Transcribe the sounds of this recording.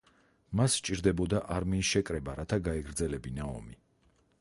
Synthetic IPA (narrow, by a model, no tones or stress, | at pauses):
mast͡ʃʼiɾd̪ɛbɔd̪aʔaɾmiːsʃɛkʼɾɛbaɾat̪ʰaɡaɛɡɾd̪zɛlɛbinaɔ̰mi